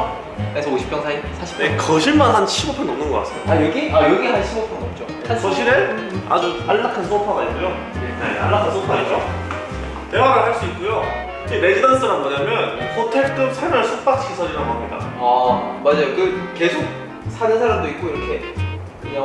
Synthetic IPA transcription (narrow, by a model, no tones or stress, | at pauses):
esʰʌoɕʰi̥p͈jʌŋsʰaisʰaɕʰi̥p̚ekʌɕʰiɭmanɦanɕʰimʌpʰʌnʌmnɯnɡʌk͈a̰s͈ʌjoajʌɡiajʌɡiɦanɕʰimʌpʰʌŋɡʌt̚t͡ɕ͈o | ansʰʌɕʰiɾea̰d͡ʑuaɭːakʰansʰopʰaɡaik͈ojo | nea̰ɭːakʰansʰopʰaid͡ʑo | tewaɡahaɭs͈uik̚k͈ujo | kemed͡ʑidans͈ɯɾɦanmʌɲamjʌnsʰotʰeɭt͈ɯsʰamaɭsʰuk̚p͈ak̚t͡ɕʰisʰʌd͡ʑinaɡoɦammida̰amad͡ʑajokɯke̞sʰok̚ | sʰanɯnsʰaɾamdoik̚k͈oiɾʌkʰe̞ | kɯa